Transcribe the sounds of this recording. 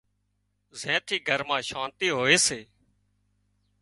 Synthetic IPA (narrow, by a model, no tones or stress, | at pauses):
zẽːt̪ʰiːɡʱəɾmãːʃãːnt̪iːɦoːeːseː